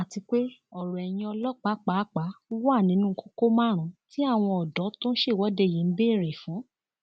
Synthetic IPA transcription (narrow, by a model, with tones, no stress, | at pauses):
a˨ti˧k͡pe˦ɔ˨ɾɔ˨ɛ˨j̃ĩ˧ɔ˧lɔ˦k͡pa˨˦k͡pa˨˦k͡pa˨˦wa˦˨nĩ˨˦nũ˦ko̥˦ko˦mãː˦˨ɾ̃ũ˨˦ti˦a˦˨w̃ɔ̃˧ɔ˨dɔ˨˦tõ˦n̩˦ʃe˦˨wɔ˨˦de˧˦˨jĩ˨˦n̩˦bẽ˦˨ɾe˨fũ˨˦